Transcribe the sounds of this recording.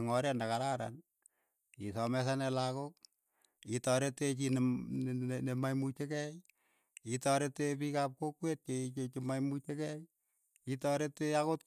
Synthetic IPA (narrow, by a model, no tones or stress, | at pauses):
ŋɔɾendakaɾaɾa̰n | isɔmɛsanɛlakok̚ | itɔɾetet͡ʃin | nemajmut͡ʃekɛj | itɔɾetepikap̚kokwet̚t͡ʃeit͡ʃet͡ʃimajmut͡ʃekɛj | itɔɾeteakot